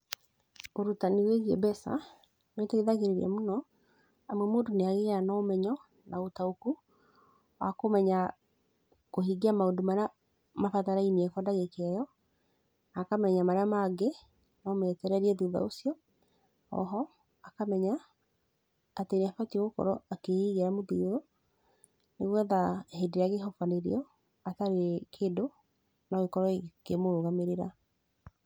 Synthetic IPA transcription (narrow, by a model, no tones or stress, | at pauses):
oɾutaniweɣiɛbɛsa̰ | netɛiðaɣeɾeɾia̰monɔ | amwɛmoːndoneaɣeɣanɔːmɛɲɔ | naotaoku | wa̰komɛɲa | koɦiɡiamaodomaɾa | mafataɾaimiɛkɔndaɣekɛjɔ | nakamɛɲamaɾeamaɡe | nɔmɛtɛɾɛɾiɛðuða̰osiɔ | ɔ̰ɦɔ | akamɛɲa | teneafateɣokɔ̰ɾɔakehiɣeɾamoðuːðo | neɣwɛðahedeɾeaɣeɦɔfaneɾḛɔ | ataɾekʰeːdo | naekɔɾɔekemoɾoɣameɾeɾa